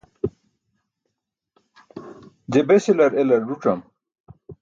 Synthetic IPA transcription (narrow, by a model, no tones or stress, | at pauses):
d͡ʑebeselɐɾelɐɾːuʈ͡ʂɐm